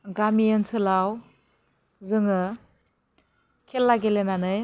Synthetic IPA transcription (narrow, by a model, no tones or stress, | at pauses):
ɡamijensɯlaw | zɯŋɯ | kʰelːaɡelenanɯj